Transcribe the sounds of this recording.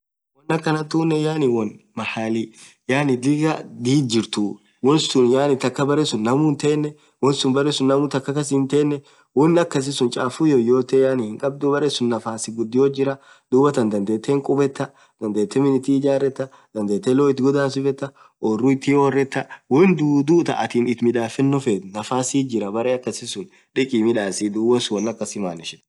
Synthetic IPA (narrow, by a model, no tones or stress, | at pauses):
wɔnːɐkːɐnɐt̪uːnːɛjaːnɪwɔn | mɐhaːli | jaːnɪd̪ɪɡɐd̪iːd͡ʒɪɾt̪u | wɔnsʊnjaːnɪt̪ɐkːɐbɐɾɛsʊnːɐmʊnt̪e̞ːnːɛ | wɔnsʊnbɐɾesʊnːɐmʊt̪ɐkːɐkɐs̬ɪnt̪e̞ːnːɛ | wɔnːɐkːɐs̬ɪsʊnt͡ʃʼaːfujojo̞ːt̪ejaːnɪhɪŋkʼɐb̚d̪ʊbɐɾesʊnːɐfaːsɪɡʊd̪ːɪjoːd͡ʒɪɾɐ | d̪̥uːbɐt̪ɐnd̪ɐnd̪eːt̪ʰːeːŋkʼʊbɛt̪ːɐ | d̪ɐnd̪eːt̪ːɛmɪnɪt̪iːɪd͡ʒaːrːɛt̪ːɐ | d̪̥ɐnd̪eːt̪ːeːloːɪt̪ːɪɡɔd̪aːnsɪfɛt̪ːɐ | ʔorːʊɪt̪ːioːrːɛt̪ːɐwɔnd̪ud̪uːt̪ɐ̰ʔɐt̪iːnɪt̪mɪᶑaːfɛnːɔfet̪nɐfaːsid͡ʒɪɾɐbɐɾeːɐkːɐsɪsʊn | ᶑɪkʼiːmɪᶑaːsɪd̪uːbɐnsʊwɔnːɐkːɐsɪmaːnɪʃɛ̥